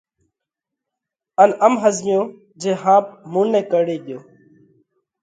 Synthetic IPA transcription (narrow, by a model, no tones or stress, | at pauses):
ənəmɦəzmɪjõː | d͡ʒeːɦãːp̚muːnːẽːkəɽeːɠɪjoː